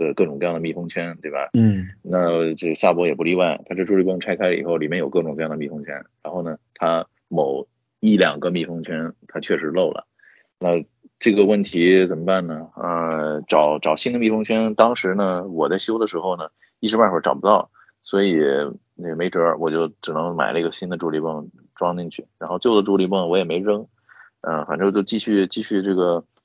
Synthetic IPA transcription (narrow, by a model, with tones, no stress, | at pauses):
d̪ə˧kɤ˥˩ʈ͡ʂʊ˨˩ŋk̪ɤ˧jɑ˥˩ŋd̪ə˧mi˥˩fɤ˥ŋt͡ɕʰɥɛ˥nt̪we˥˩ɪbɐ̰˨˩na˥˧t͡ɕʂ̩˧˩ɕa˥˩pwɔ˧˥jɛ˨˩p̬u˥˧li˥wa˥˩ɪt̪ʰa˥ʈ͡ʂɻɤ˥˩ʈ͡ʂu˥˩pɤ˥ŋʈ͡ʂʰa˥ɪkʰa˥ɪlə˧˨ḭ˨˩xo˥˩ʊli˨˩mjɛ˥˩njo˨˩ʊkɤ˥˩ʈ͡ʂŋkɤ˥˧jŋd̪mi˥˩fɤ˥ŋt͡ɕʰɥɛ̰˥nɻa˧˥nxo˥˩ʊnə˩t̪ʰa˥ | mo˨˩˦ʊ | i˥˩ljɑ˨˩ŋɡə˦mi˥˩fɤ˥ŋt͡ɕʰɥɛ˥nt̪ʰa˥t͡ɕʰɥɛ˥˩ʂɻ̩˧˥lo˥˩ʊlə̰˩ | na˥˧ | ʈ͡ʂɤ˥˩ɡə˩wə˥˩nt̪ʰi˧˥t͡sə˨˩mə˦pa˥˩nnə˩ə˥˧ʈ͡ʂɑ˨˩˦ʊʈ͡ʂɑ˨˩ʊɕi˥nd̪ə˧mi˥˩fɤ˥ŋt͡ɕʰɥɛ˥nt̪ɑ˥ŋʂɻ̩˧˥nə˧wɔ˨˩t͡sa˥˩ɪɕjo˥ʊd̪ə˨ʂɻ̩˧˥xo˥˩ʊnə˩ | i˥˩ʂɻ̩˧˥pa˥˧nɻʈ͡ʂɑ˨˩ʊpu˧˥t̪ɑ˥˩ʊ | swɔ˧˥i˨˩ | ɛ˨˩me˧˥ɪʈ͡ʂə˧˥wɔ˨˩t͡ɕjo˥˩ʊʈ͡ʂɻ̩˨˩nɤ˧˥ŋma̰˨˩ɪnə˥˩ɡə˩ɕi˥nd̪ə˨˧ʈ͡ʂu˧˥li˧˥pɤ˥˩ŋ | ʈ͡ʂwɑ˥ŋni˥˧ŋt͡ɕʰy˥˩ɻa˧˥nxo˥˧ʊt͡ɕjo˥˩ʊd̪ə˩ʈ͡ʂu˧˥li˧˥pɤ˥˩ŋwɔ˧˥jɛ˨˩me˧˥ɪɻɤ˥ŋ | ə˥˧fa˨˩nʈ͡ʂɤ˥˧t͡ɕjo˥˧ʊt͡ɕi˥˧ɕy˥˧t͡ɕi˥˧ɕy˥˧ʈ͡ʂɤ˥˩ɡə˩